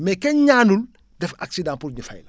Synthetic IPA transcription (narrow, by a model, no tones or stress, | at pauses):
mɛkɛɲaːnul | dɛfa̰ksidãːpuɾɲufajla